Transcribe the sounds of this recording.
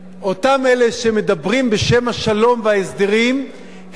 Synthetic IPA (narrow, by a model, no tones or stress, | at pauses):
ʔo̞tame̞le̞ʃe̞med̪abʁimbe̞ʃe̞maʃalo̞mveaesd̪eʁim | h